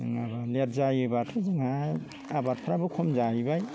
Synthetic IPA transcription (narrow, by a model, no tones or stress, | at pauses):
ɯŋabalet̚zajɯbatʰɯzɯŋa | abaɾtʰaɾabɯkʰɔmzajbaj